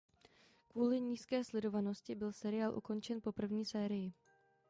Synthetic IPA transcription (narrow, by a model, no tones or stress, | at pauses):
kvuːlɪɲiːskɛːslɛdo̞vano̞scɪbɪlsɛɾɪjaːlʔṵko̞nt͡ʃɛnpo̞pr̩vɲiːsɛːɾɪjɪ